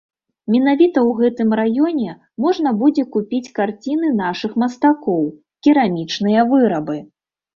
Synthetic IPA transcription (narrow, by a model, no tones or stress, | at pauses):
mʲɛn̪avʲit̪ɐwɣɛt̪ɨmɾajɔnʲɛ | mɔʐnɐbud͡zʲɛkupʲit͡sʲkart͡sʲinɨnaʂɨxmɐst̪akɔw | kʲiɾamʲit͡ʂnɨjɐvɨɾɐbɨ